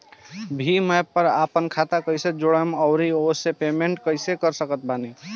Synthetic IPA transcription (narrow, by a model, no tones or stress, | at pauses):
bʱiməjpəɾa̰pənkʰat̪akəɪsed͡ʒoɽəməʊɾiosepemeɳʈkəɪsekəɾsəkət̪̚bani